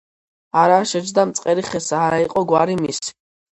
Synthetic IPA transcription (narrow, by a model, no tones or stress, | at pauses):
aɾaʃɛd͡ʒd̪amt̪sʼqʼɛɾiχɛsaːɾaiqʼɔɡwaɾimis